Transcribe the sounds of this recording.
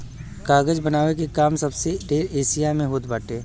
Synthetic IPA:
kaːɡəd͡ʒbɐnaːʋek̬ekaːmsɐbseɖeːɾeːsijamẽɦoːt̪baːʈeː

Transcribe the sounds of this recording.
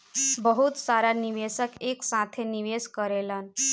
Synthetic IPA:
bəɦut̪saɾaniʋesəkeksãt̪ʰeniʋeskəɾelan

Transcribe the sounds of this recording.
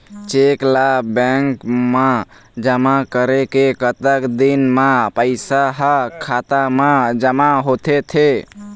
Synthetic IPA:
t͡ʃeklabɛŋkma | d͡ʒəmakəɾekekət̪əkd̪inmapəɪsaɦəkʰat̪amad͡ʒəmaɦot̪ʰet̪ʰe

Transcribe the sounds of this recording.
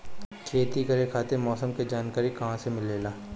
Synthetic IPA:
kʰeːt̪ikɐɾekʰaːt̪emɔːsəmked͡ʒaːnkaːɾikɐɦãsemɪlːeːlaː

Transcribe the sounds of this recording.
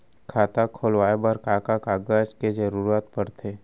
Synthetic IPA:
kʰaːt̪akʰoːlʋaːebəɾkaːkakaːɡəd͡ʒked͡ʒəɾuːɾaːt̪pəɾt̪ʰeː

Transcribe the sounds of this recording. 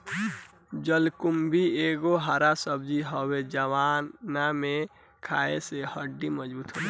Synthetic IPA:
d͡ʒəlkumbʱieɡoɦaɾasəbd͡ʒiɦɔwed͡ʒəwanamẽ | kʰaesehəɖːiməd͡ʒbuːt̪ɦoe

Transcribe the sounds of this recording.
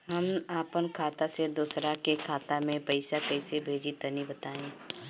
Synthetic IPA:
ɦɐmaːpənkʰaːt̪ased̪uːsɾakekʰaːt̪amẽpɐɪsakɐɪsebʱeːd͡ʒit̪ɐnibɐt̪aːẽː

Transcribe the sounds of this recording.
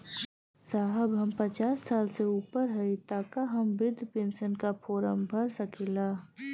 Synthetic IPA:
saːɦəbɦəmpət͡ʃaːsːaːlseuːpəɾɦəit̪aːkaɦɐmbɪɾd̪ʱpẽːnsənkapʰoːɾə̰mbʱɐɾsɐkʰeːlaː

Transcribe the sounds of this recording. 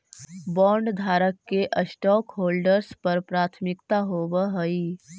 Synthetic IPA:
bɔːɳɖd̪ʱaːɾəkːeʔəsʈɔːkɦoːlɖəɾspəɾpɾaːt̪ʰmɪkt̪aɦoːbəɦəi

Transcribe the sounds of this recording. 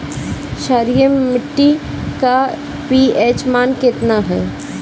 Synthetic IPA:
ʃaːɾijəmːɪʈːi | ka | piːeːt͡ʃmaːnkɪt̪naɦɛː

